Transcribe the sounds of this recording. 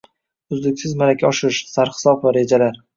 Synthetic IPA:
ʊzd̪ɪkʲsɪzmalakʲʰaɒʃɾɪʃsaɾχɨ̥sɒpvaɾe̞d͡ʒalaɾ

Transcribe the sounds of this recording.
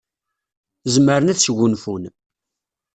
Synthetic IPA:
zməɾənæθsɡʊnfun

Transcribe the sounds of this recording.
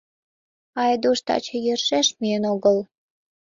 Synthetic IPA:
ɑjd̪uʃt̪ɑ̰t͡ɕɤ̆jerʃeʃmienoɣəl

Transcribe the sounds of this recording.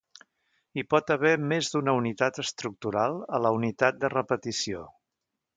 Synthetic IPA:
ipɔt̪əβɛmezd̪unəunit̪at̪əst̪ɾuk̚t̪uɾalˠələunit̪at̪̚d̪ərəpət̪isio

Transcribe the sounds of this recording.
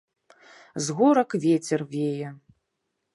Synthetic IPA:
zɣuɾɐkvʲet͡sʲɛrwjejɛ

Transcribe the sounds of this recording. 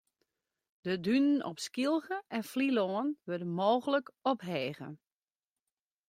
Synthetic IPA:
d̥ədynənʔɔ̰pskilˠɣəʔɛnfliloːənʋødənmoːɣələkɔpɦeːɣə̰

